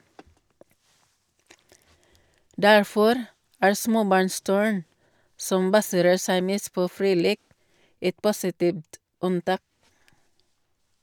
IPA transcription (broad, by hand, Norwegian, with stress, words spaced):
ˈdæɹˌfɔɾ ˈæːɹ ˈsmoːˌbɑɹnˌstʉɹn ˈsɔm ˈbɑsəɾəɹ ˈsæɪ ˈmeːst ˈpoː ˈfɹiː ˈleːk ˈɛt ˈpʊsɪˌtiːʋt ˈʉnˌtɑːk